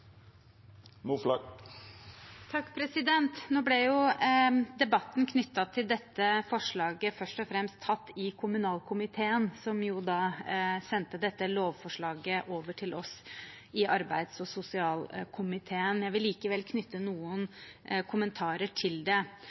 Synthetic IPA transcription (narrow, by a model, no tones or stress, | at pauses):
muflɑɡ | t̪ʰɑkːpʰɾɛsɪd̪ɛnt̪noːblɛjʊ | d̪ɛbɑt̪ːn̩kʰnʏt̪ːɑt̪ʰɪld̪ɛt̪ːəfɔʂɭɑːɡəfœʂʈɔfɾɛmst̪ʰːɑt̪ːɪkʰʊmʉnɑːlkʰʊmɪt̪ʰeːənsɔmjʊd̪ɑːsɛnt̪əd̪ɛt̪ːəloːʋfɔʂɭɑːɡəʔoːʋəʈʰɪlʔɔs | ɪʔɑɾbæɪd̪sɔsʊsɪɑːlkʰʊmɪt̪ʰeːənjæɪʋɪlːiːkəʋɛlkʰnʏt̪ːənuːənkʰʊmənt̪ʰɑːɾəʈʰɪld̪ɛ